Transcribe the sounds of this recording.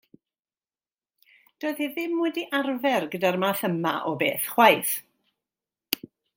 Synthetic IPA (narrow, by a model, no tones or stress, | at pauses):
d̥oːɨð̥hiðɪmːʊɨdiʔarvɛrɡədarmaːθəmaʔɔbḛːθχwajθ